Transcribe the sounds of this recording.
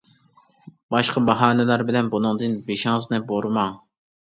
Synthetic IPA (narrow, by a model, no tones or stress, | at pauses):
bɑʃqɑbɑɦɑːnɪlæɾbɪlɛnbunɨŋd̪ɨnbeʃɪŋɨznɨboɾmɑŋ